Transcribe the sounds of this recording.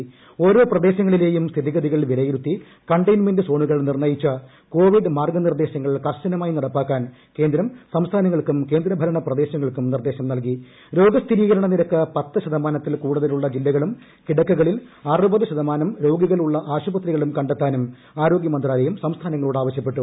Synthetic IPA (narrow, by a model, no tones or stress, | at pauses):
o̞ːɾo̞ːprɐd̪e̞ːɕɐŋːɐɭile̞ːjumst̪ʰiðiɣɐðiɣɐɭʋilɐjiɾut̪ːi | kɐɳɖɐjnme̞ndɨso̞ːɳuɣɐɭnirnɐjit͡ɕːɐ | ko̞ːʋiɖɨmaːrɡɐnird̪e̞ːɕɐŋːɐɭkɐrɕɐnɐmaːjinɐɽɐpːaːkːaːn | ke̞ːnd̪ɾɐmsɐmst̪ʰaːnɐŋːɐɭkumke̞ːnd̪ɾɐbʱɐɾɐɳɐprɐd̪e̞ːɕɐŋːɐɭkumnird̪e̞ːɕɐmnɐlki | ɾo̞ːɡɐst̪ʰiɾiːɣɐɾɐɳɐniɾɐkːɨpɐt̪ːɨɕɐðɐmaːnɐt̪ːilkuːɽuðɐluɭːɐd͡ʑilːɐɣɐɭum | kiɽɐkːuɣɐɭilɐrɨbɐðɨɕɐðɐmaːnɐmɾo̞ːɡiɣɐɭuɭːɐʔaːɕubɐt̪riɣɐɭumkɐɳɖet̪ːaːnum | aːɾo̞ːɡjɐmɐnd̪raːlɐjumsɐmst̪ʰaːnɐŋːɐɭuːɽaːʋɐɕjɐp̬ːe̞ʈːu